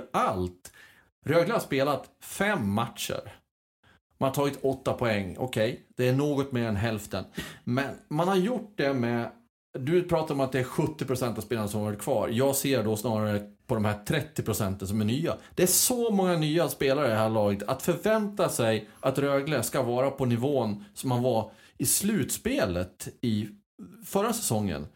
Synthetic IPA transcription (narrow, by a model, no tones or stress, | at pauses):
alt̪ | ɾøːɡləhaspeːlat̪fɛmːat̪ʂə̰ɾ | manhaʈ̪ʰɑːɡɪt̪ɔt̪ːapʰɔɛŋːɔ̰kʰɛjd̪̥ɛæɳoːɡɔt̪meːɾɛnɦɛlft̪ə̰nmɛnmanhaɾjʊʈ̚ːd̪ɛmɛ | d̪ɵpʰɾɑːt̪aɾɔmat̪̚d̪ɛæɧɵt̪ːɪpʰɾʊsɛnt̪avspeːlanasɔmvɔːɾɪt̪̚kʰvɑ̰ːɾjɑːɡseːɾɖɔsnɑːɾaɾəpʰɔd̪ɔmhæːʈʰɾɛt̪ːɪpʰɾʊsɛnt̪əns̬ɔmæɳyːa̰d̪ɛæʂɔmɔŋːanyːaspeːlaɾəd̪ɛɦæːɭɑːɡət̪ʰat̪fœɾvɛnt̪asɛjʔat̪ɾøːɡləskavɑːɾapʰɔnɪvoːnsɔmhanva | ɪslʉ̟ːt̪speːlət̪ɪ | fœɾːasɛ̥sɔŋːə̰n